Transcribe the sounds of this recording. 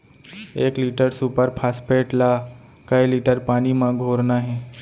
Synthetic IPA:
eːkliːʈəɾsupəɾpʰaːspeːʈla | kəjliːʈəɾpaːɽ̃imãɡʱoːɾnaɦɛ̃

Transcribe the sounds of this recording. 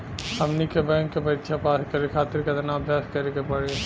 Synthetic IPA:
sɐmnikebɛ̃ŋkːepɐɾɪt̪ːʃʰapaːskɐɾekʰaːt̪ɪɾked̪ɐnaɐbʱjaːskɐɾekepɐɽe

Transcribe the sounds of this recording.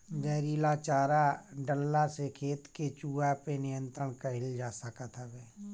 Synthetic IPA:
d͡ʒəːɾiːlat͡ʃaːɾaɖəlːasekʰeːt̪ket͡ʃuːapenɪjə̃nt̪ɾəɽkəɦɪld͡ʒaːsəkat̪ʰabɛː

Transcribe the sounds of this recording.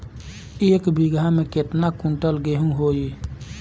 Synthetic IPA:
eːkbiɡʱamẽket̪nakũɳʈəlɡeɦũɦoːi

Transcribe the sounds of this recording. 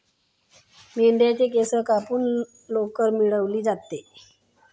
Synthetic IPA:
meɳɖjat͡ɕekesəkapuːn | lokəɾmiɭəʋliːd͡zat̪ːe

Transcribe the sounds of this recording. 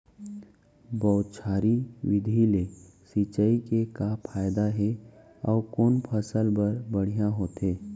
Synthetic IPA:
bɔːt̪t͡ʃʰaːɾiwɪd̪ʱilesit͡ʃəikekapʰaːjd̪aɦe | ɔ̰ːkoːnpʰəsəlbəɾbəɽ̤ijãɦoːt̪eː

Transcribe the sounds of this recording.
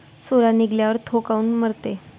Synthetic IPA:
soɾaniɡljaʋəɾt̪ʰokauːnməɾt̪e

